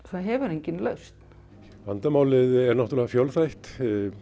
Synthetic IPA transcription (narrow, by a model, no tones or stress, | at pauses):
θaðɦɛvʏɾejɲcɪnlœɥst̪n̥ | va̰nt̪amaːwlɪðɛɾnaht̪ɾlɛːɣafjɔwlθajht̪